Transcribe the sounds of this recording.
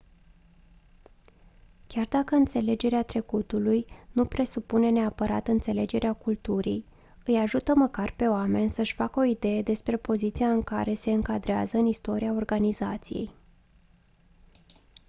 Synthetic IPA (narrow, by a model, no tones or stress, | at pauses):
kʲard̪akəɨnt̪se̞le̞d͡ʒe̞ɾeat̪ɾe̞kut̪ulujnupɾe̞supune̞ne̞apəɾa̰t̪ɨnt̪se̞le̞d͡ʒe̞ɾeakult̪uɾij | ɨjaʒut̪əməkarpe̞oame̞nʲsəʃʲfakəo̞id̪e̞je̞d̪e̞spɾe̞po̞zit̪sijaɨŋka̰ɾe̞se̞ɨŋkad̪ɾea̰zəɨnist̪o̞ɾiao̞rɡanizat̪sije̞̰j